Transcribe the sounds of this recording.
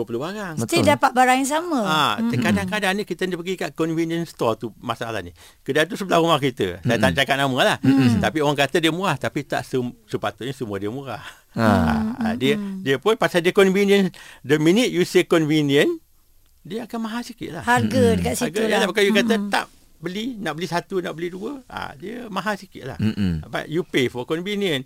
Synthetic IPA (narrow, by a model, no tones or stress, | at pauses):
duəpəluhbaɾaŋt̪idapat̪̚baɾaŋaŋs̬aməat̪əkadaŋkadaŋnikit̪əndapəɡikaʔkɔnviniənst̪ɔt̪umasa̰la̰hnḭ | kədant̪usəbəlahrumahkit̪ə̰sajət̪at͡ʃakat̪̚naməlaht̪apioɾaŋkat̪ədiəmuɾaht̪apit̪a̰ʔsəsəpat̪uʔɲəsəmuədiəmuɾa̰h | a̰a̰diədiəpʊnpasaldiəkɔnvinjəndəminɪt̪̚jusekɔnviniən | diəakanmaɦasikɪt̪̚la̰hhaɡədəkaʔsiɡəjəlabakajukat̪ət̪a̰p̚ | bəlinaʔbəlisat̪unaʔbəliduəa̰diəmaɦasikɪ̰t̪la̰hba̰t̪̚jupefɔkɔnviniən